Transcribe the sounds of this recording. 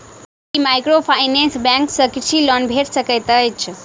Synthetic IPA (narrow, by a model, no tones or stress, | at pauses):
imajkɾofʰajnensbɛ̃ŋksəkʃʰilɔnbʱeɾsəkət̪əjt͡ʃʰ